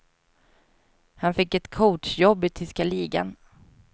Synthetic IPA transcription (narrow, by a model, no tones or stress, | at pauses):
hanfɪkːɛt̪kʰɔːʈʂjɔbːɪt̪ʰʏskaliːɡa̰n